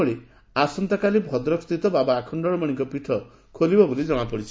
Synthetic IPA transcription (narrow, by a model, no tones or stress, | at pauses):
ɔɽi | asɔnt̪akalibʱɔd̪ɾɔkst̪it̪ɔbabɔakʰɔɳɖɔɽɔmɔɽ̃iŋkɔpiʈʰɔ | kʰolibɔbolid͡ʒɔmapɔɽit͡ʃʰi̥